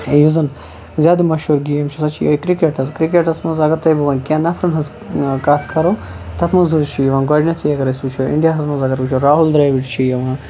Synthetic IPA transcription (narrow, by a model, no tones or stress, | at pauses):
juzɐn | zʲaːd̪umɐʃuɾɡijɐmt͡ʃʰisɐt͡ʃʰijo̰ːkɾikeʈɐzkɾikeʈɐsmɐzɐɡɐɾt̪ɐjbɐʋɐːnkʲãːnɐfɾɐnɦɐz | kaːt̪ʰkʰɐɾo | t̪ʰɐt̪ʰmɐzɨzt͡ʃʰijɐʋãːɡɔːɖʲnɐt̪ʰijɐɡɐɾɐsʲbut͡ʃʰoḭɳɖijaɦɐsmɐzɐɡɐɾbɨt͡ʃʰoɾaːɦuld̪ɾaːʋiʈt͡ʃʰijɐʋãː